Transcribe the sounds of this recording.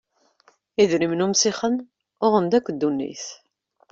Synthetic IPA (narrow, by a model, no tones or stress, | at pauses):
iðɾimnumsiχən | ʊʁənd̪ækʷːd̪ːunːḭθ